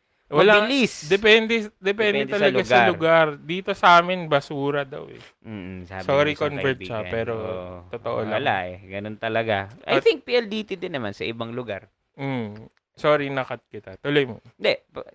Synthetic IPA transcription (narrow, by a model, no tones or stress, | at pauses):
wɐlalisd̪ɛpɛnd̪ɛd̪ɛpɛnd̪ɛd̪t̪ɐlɐlasɡɐlʊɡaɾd̪iːt̪o̞sɐʔaːmɪnbɐsuːɾɐd̪ɐ̰wɛ̰ | m̩ːsa̰bsoːɾikonvɛt͡ʃappɛːɾooʔ̪ot̪oʔo̰lala̰ʔɛɡɐnont̪ɐlɐɡaʔa̰jt̪iŋk̚piʔɐld̪iːt̪ɪd̪ɪnːɐmansɐ̰ʔɪbaŋlʊɡa̰ɾ | m̩ | soːɾinɐkɐt̪̚kɪt̪at̪ʊlojmod̪ɛp